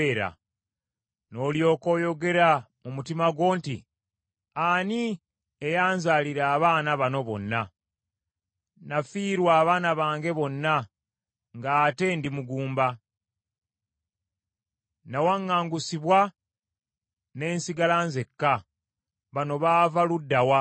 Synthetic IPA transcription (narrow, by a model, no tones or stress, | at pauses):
eɾa̰ | no̞ːljo̞ːko̞ːjo̞ɡe̞ɾa | mumutimaɡwo̞ːntḭ | ani | ejaːnzaːliɾaːβaːnaβano̞βo̞̰nːa | nafiːɾwaːβaːnaβaːŋɡe̞βo̞nːa | ŋɡaːte̞ndimuɡuːmba | nawaŋːaːŋɡusiβwa | ne̞ːnsiɡalanze̞kːa | βano̞βaːvaludːawa